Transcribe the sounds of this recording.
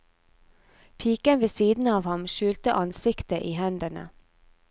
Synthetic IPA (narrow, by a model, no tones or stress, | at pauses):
pʰiːkənʋeːsiːd̪n̩ɑːʋhɑmʃʉːlt̪əʔɑnsɪkt̪əʔiːhɛnd̪əɳə̰